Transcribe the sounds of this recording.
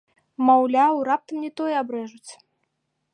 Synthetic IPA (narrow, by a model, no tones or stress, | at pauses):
mawlʲawrap̚t̪ɐmnʲɛt̪ɔjɛabɾɛʐut͡sʲ